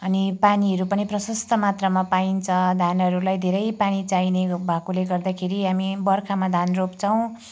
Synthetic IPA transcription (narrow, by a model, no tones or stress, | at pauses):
ʌnipaniɦʌɾupʌniprʌsʌst̪ʌmat̪rʌmapaint͡sʰʌd̪ʱanʌɾulajd̪ʱeɾʌjpanit͡sainebʱakoleɡʌrd̪akʰeɾiɦamibʌrkʰamad̪ʱanropt͡sʰʌw̃